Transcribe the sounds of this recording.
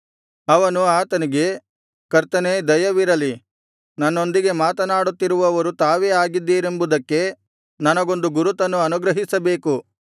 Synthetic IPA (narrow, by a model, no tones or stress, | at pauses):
ɐʋɐnuaːt̪ɐniɡe̞ | kɐɾt̪ɐneːd̪ɐjɐʋiɾɐli | nɐnːo̞nd̪iɡe̞maːt̪ɐnaːɽut̪ːiɾuʋɐʋɐɾut̪aːʋeːaːɡid̪ːiːɾe̞mbud̪ɐkːe̞ | nɐnɐɡo̞nd̪uɡuɾut̪ɐnːuɐnuɡɾɐɦisɐbe̞ːku